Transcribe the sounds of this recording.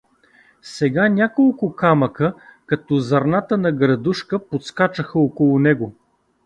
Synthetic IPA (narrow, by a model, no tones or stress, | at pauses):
sɛɡanʲakolˠkʊkamɐkəkɐt̪ɔzɐɾnat̪ənɐɡɾɐd̪uʃkəpot̪skat͡ʃəxəokolˠʊnɛɡo